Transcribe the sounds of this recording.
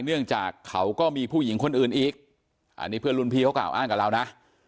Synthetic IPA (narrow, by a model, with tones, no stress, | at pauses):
nɯ˥˩əŋt͡ɕaː˨˩kʰːa˦˥wkɔː˥˩miː˧pʰuː˥˩ji˩˦ŋkʰo˧nʔɯː˨˩nʔiː˨˩k̚ | ʔa̰˧nːiː˦˥pʰɯ˥˩əlu˧npʰiː˧a˦˥wkla̰ː˨˩wʔaː˥˩ŋka˨˩ɾaː˧wna˦˥ʔ